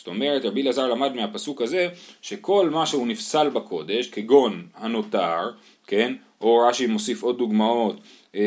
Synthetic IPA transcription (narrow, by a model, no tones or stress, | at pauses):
st̪o̞me̞ʁetʁabilazaʁlamadmeapasukaze̞ʃe̞ko̞lmaʃeunifsalbakʰo̞de̞ʃkeɡo̞nhano̞taʁ | ke̞n | ʔo̞ʁaʃimo̞sifo̞d̪̚ːuɡmao̞t̪